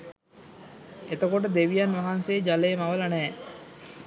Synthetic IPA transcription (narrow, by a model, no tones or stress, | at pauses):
et̪əkoʈ̬əd̪eʋijanʋaɦansejːd͡ʒaleːmaʋəlanɛː